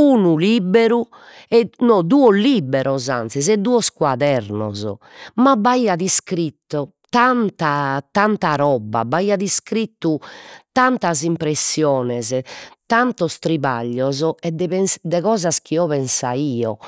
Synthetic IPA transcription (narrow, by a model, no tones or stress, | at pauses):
uːnulibeɾu | ɛnɔd̪uːɔlibɛɾɔzant̪sɛzɛd̪ːuːɔskwaðɛɾnɔ̰zɔ̰ | mabːaiːaðiskɾit̪ːɔ | t̪ant̪at̪ant̪aɾɔbːa̰baiːaðiskɾit̪ːut̪ant̪azimpɾesːjɔːnɛzt̪ant̪ɔst̪ɾiβa̰ʎːɔzɔɛd̪ɛpɛnsd̪ɛɣɔːzaskʰiɔβɛnsaiːɔ